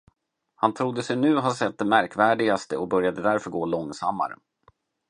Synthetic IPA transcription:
hant̪ʰɾʊd̪ːəsɛjnʉ̟ːɦasɛt̪̚d̪ɛmæɾkvæːɖɪɡast̪əɔk̚bœɾjad̪əd̪æɾfœɾɡoːlɔŋsamːa̰ɾə̰

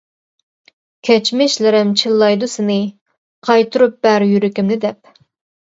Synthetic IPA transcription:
kʲʰɛt͡ʃmɪʃlɪɾɪmt͡ʃʰɨlˠːɑjd̪usɨnɨ | qʰɑjt̪ʰuɾup̚b̥æɾjyɾɪkʲimnɪd̪ɛp̚

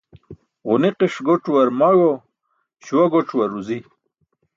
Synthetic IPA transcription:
ʁuniqiʂɡoʈ͡ʂwɐɾmaɡo | ɕwaɡoʈ͡ʂwɐɾuzi

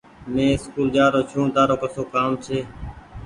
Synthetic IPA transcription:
mẽːskuːld͡ʒaːɾoːt͡ʃʰũːd̪aːɾoːkəsoːkaːmt͡ʃʰeː

